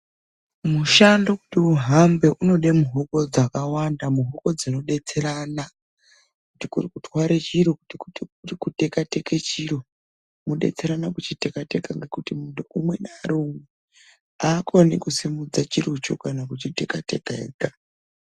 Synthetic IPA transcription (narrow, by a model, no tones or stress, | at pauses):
muʃandokutiuɦambe̞ʔuno̞ɗemuɦoko̞d͡zakawandamuɦo̞ko̞d͡zino̞ɗe̞t͡se̞ɾana | kutikurikutʰwaɾet͡ʃiɾo̞kutikuturikutekate̞ket͡ʃiɾo̞ | muɗe̞̰t͡se̞ɾanakut͡ʃite̞kate̞kaŋɡe̞kutimuntuʔumwe̞naːɾome | aːkonḭkusimud͡zat͡ʃirut͡ʃo̰kanakut͡ʃite̞kate̞̰kḛːka